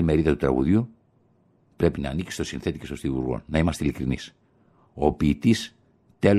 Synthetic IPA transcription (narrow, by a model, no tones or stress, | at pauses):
lime̞ɾiðɐt̪ut̪ɾɐ̰ɣṵðiu | pɾe̞pinɐːnikist̪o̞sinθe̞t̪i̥cest̪ost̪ivṵɾɣo̰nnɐimɐst̪eilikɾinis | o̞piːt̪is | t̪e̞l